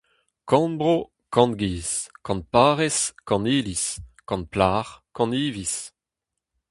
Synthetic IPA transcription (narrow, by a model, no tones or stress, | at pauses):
kɑ̃nbʁo | kɑ̃nɡiːskɑ̃npaːʁɛskɑ̃niːliskɑ̃n̚plaːʁkɑ̃niːvis